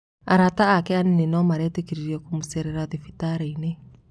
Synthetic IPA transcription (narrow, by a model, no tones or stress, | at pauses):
aɾataːkɛaninenɔmaɾɛtekiɾiɾiɛkumusɛɾɛɾaðifi̥taɾeine